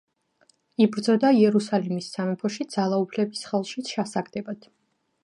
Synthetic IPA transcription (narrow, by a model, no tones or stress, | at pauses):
ibɾd̪zɔd̪aiɛɾusalimisːamɛpʰɔʃid̪zalˠaupʰlɛbisχɛlˠʃiʃasaɡd̪ɛbad̪̥ʰ